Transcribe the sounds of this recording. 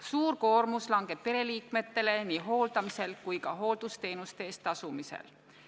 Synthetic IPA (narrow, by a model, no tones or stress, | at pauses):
suːrko̞ːrmuslɑŋɡ̥e̞b̥̚pe̞ɾe̞liːkme̞t̪ːe̞le̞niːɦo̞ːld̪̥ɑmise̞lkujkɑɦo̞ːld̪̥ust̪e̞ːnust̪eːst̪ˑɑsumisḛl